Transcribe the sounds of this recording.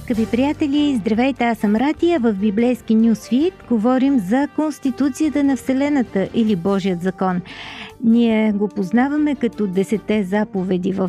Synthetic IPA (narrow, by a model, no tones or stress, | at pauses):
kəvipɾijat̪ɛliizd̪ɾɐvɛjt̪ɛasəmɾad̪ijəvəfbiblɛjsk̟inʲjusfit̪ɡovɔɾimzɐkonst̪it̪ut̪sijət̪ənɐfsɛlɛnət̪əʔilibɔʒijəd̪zɐkɔnniɛɡopoznavɐmɛkɐt̪ɔd̪ɛsɛt̪ɛzapovɛd̪ivəf